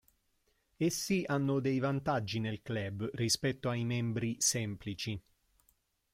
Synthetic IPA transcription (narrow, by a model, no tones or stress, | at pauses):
esːianːʊd̪ejvant̪ad͡ʒːinelklɛbrispɛt̪ːoajmɛmbɾisɛmplit͡ʃi